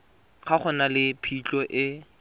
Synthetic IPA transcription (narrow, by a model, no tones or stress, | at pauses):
χaχʊnalɪpʰit͡ɬʼɔʔɪ